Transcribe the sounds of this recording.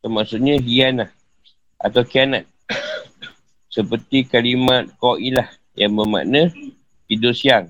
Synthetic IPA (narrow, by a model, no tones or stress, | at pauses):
təmaʔsʊt̪̚ɲə̃ɦianah | ʔa̰t̪awkianat̪̚ | səpərt̪ikalimat̪̚kɔʔilah | jaŋbəma̰ʔnə̃ | hidosiaŋ